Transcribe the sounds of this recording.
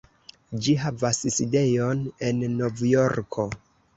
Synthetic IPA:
d͡ʒiɦavasside̞jone̞nːo̞vjo̞ɾkʰo̞

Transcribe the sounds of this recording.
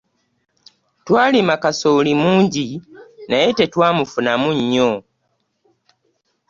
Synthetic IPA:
twaːlimakasolimuːɲɟinajete̞twaːmufunamuɲːo

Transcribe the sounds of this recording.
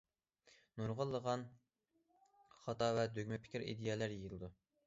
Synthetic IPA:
nuɾʁəlˠːəʁɑn | χɑt̪ɑvɛd̪øɡʲmɛpʰɪ̥kʲɪɾḭd̪ejɛlæɾjejɨlˠɨd̪u

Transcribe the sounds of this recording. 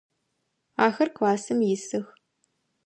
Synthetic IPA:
aːxɐrkʷaːsɨmjɪsɨx

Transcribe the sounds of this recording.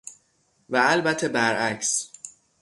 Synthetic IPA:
væælbæt̪ʰːebæɾæcs

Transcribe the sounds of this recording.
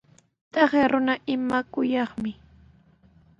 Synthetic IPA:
t̪ɑχeɾʊnaʔɪmakʊjɑχmɪ

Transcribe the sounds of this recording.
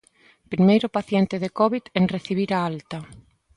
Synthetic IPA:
pɾimejɾʊpaθjent̪ɪðekɔβiðeŋreθiβ̞iɾaalt̪ɐ

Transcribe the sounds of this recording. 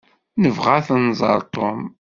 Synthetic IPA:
nəvʁaθənzˤɑ̰ɾˤt̪ˤom

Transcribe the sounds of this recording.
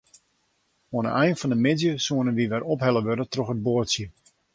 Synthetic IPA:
oənə̰ʔɛjnfɑndəmɪdjəsuənənʋiʋɛrɔpɦɛlˠəʋødətrɔxəd̚boətsjə

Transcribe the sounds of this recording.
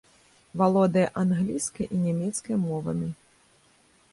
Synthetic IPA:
valˠɔd̪ɐjɐʔanɣlʲiskɐjʔinʲɛmʲɛt̪skɐjɐmɔvɐ̰mʲi

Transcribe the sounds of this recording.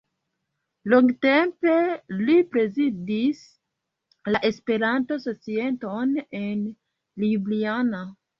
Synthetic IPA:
loŋɡte̞mpe̞lipɾe̞zidis | laʔe̞spe̞ɾanto̞so̞t͡sie̞ntone̞n | libliana

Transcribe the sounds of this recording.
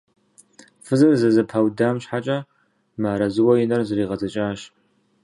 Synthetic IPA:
fɨzɨrzɐzɨpʰawdaːmɕħat͡ʃʼɐ | maːɾɐzɨwɐjɪnɐrzɨriːʁɐzɐt͡ʃʼaːɕ

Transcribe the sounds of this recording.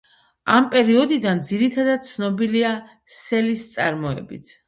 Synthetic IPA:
ampʼɛɾiɔd̪id̪and̪ziɾit̪ʰad̪ad̪̚t̪sʰnɔbilia | sɛlist̪sʼaɾmɔɛ̰bḭt̪ʰ

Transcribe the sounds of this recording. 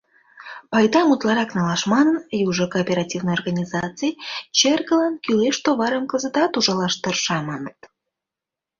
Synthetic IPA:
pɑjd̪ɑmut̪lˠɑɾɑknɑlɑʃmɑnənjuʒəkoːpʲeɾɑtʲivnəjorɣɑnʲizɑt͡sɨjt͡ɕerɣəlɑnkyleʃt̪oβɑɾəmkəzət̪ɑt̪uʒɑlɑʃt̪ərʃɑmɑnət̪

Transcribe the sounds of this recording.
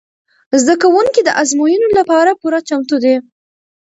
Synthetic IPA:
zd̪akawuŋkid̪əʔazmujunolapɑɾapuɾat͡ʃamt̪ud̪e

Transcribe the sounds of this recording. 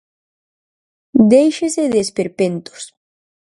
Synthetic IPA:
d̪ejʃeseðespeɾpent̪o̥s

